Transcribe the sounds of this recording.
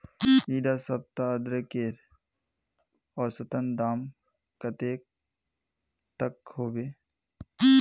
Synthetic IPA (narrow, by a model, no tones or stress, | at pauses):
iːɖasɐp̚t̪aəd̪ɾəkeːɾ | ɔːɾsət̪ənd̪aːm | kɐt̪eːk̚ | t̪əkhoːbeː